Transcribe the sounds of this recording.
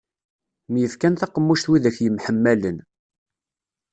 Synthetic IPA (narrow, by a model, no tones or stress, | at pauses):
mjəfkænθæqəmːuʃt̪wiðæçjəmħəmːælən